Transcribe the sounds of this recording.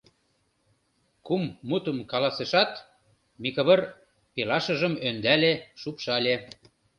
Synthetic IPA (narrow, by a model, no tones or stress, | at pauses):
kumːut̪əmkɑlɑseʃɑt̪ | mikə̆βɤ̆r | pelɑʃə̆ʒə̆mønd̪æleʃupʃɑlʲe